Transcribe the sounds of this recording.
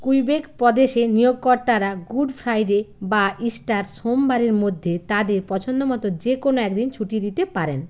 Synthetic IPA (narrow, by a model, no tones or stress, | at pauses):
kujbekpɔd̪eʃenijoɡ̚kɔɾt̪aɾaɡuɖfʰɾajɾebaʔisʈaɾsombaɾeɾmod̪ʱːet̪ad̪eɾpɔt͡ɕʰond̪omɔt̪od͡ʑekonoɛkd̪int͡ɕʰuʈied̪it̪epaɾen